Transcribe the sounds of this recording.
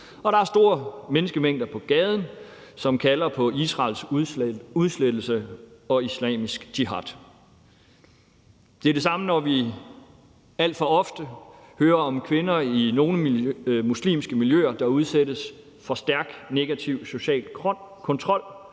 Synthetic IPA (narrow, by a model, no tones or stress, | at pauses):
ɒ̽ɾ̥ɑ̈æɐsd̥o̝ːɐmenəsɡ̥əmeŋ̰d̥ɐpʰɒ̽ɡ̥ɛːð̞ˠn̩ | sɒ̽mkʰælɐpʰɒ̽isʁɑ̰ːls | uðˠsled̥l̩səɒ̽islɛ̰ːmisɡ̥d̥ʰiɦɑd̥ | d̥e̝ɐɾ̥e̝s̬ɑ̈mənɒʋi | æl̰d̥fɒ̽ɒ̽fd̥əhøːɐɒ̽mkʰʋe̝nɐino̝ːnəmuslḭːmsɡ̥əmiljø̰ɐd̥ɑ̈uð̞ˠsed̥əs | fɒ̽sd̥æɐɡ̥ne̝ɡ̥æt͡sʰiʊso̝ɕɛ̰ːlkʰɔ̽nt͡sʰʁɒ̽l̰